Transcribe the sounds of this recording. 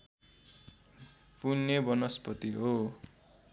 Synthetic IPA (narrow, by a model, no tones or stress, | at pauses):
punːʌbʌnʌspʌt̪iɦo